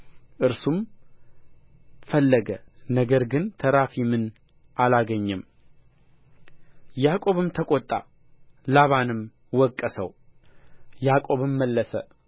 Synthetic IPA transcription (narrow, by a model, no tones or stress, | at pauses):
ʔɨɾsum | fəlːəɡənəɡəɾɡɨnt̪ʰəɾafimɨn | ʔalaɡəɲːɨm | jakʼo̞βɨmt̪ʰəkʼot̪ʼːa̰ | laβanɨm | wɔkʼːəsəw | jakʼo̞βɨmːəlːəsə